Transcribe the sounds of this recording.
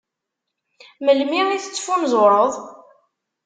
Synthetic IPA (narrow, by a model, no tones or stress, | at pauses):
məlmiʁiθət͡sːfunzˤoɾˤəðˤ